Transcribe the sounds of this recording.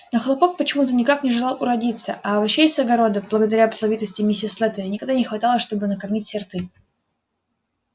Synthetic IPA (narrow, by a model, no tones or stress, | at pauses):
noxlˠɐpok̚pət͡ɕɪmut̪ənʲɪkaknʲɪʐɨlˠɑlˠʊɾɐdʲit̪səʔavɐɕːejsɐɡɐɾo̞d̪əblˠəɡəd̪ɐɾʲapəslˠɐvʲit̪əsʲtʲɪmʲisʲɪslˠɛt̪əɾʲɪnʲɪkɐɡd̪anʲɪxvɐt̪ɑlˠəʂt̪o̞bɨnəkɐrmʲitʲsʲɪrt̪ɨ